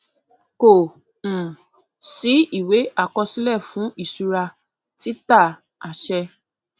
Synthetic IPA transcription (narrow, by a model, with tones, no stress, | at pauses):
kõ˨ | si˨˦i˦˨we˨˦a˦˨kɔ˧si˦lɛ˦˨fũ˨˦ʔi˦˨su˧ɾa˧ | ti˦ta˦˨ | a˨ʃɛ˧